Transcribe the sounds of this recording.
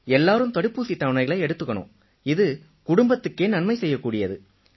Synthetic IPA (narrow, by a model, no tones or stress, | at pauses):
ɛlːaːɾɯmt̪ɐɽɯpːuːsit̪ːɐʋnɐɪɣɐɭɐɛɽɯt̪ːɯkːɐɳɯ̰m | ɪðɯ | kʊɽʊmbɐt̪ːɯkːeːnɐɳmɐɪsɛjːɐkːuːɽɪjɐðɯ